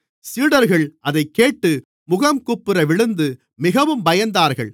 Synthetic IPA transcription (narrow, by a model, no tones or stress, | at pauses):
siːɽɐɾɣɐɭʔɐðɐɪkːeːʈːɯ | mʊɣɐmkʊpːɯɾɐʋɪɭɯnd̪ɯ | mɪɣɐʋɯmbɐjɐnd̪aːɾɣɐ̰ɭ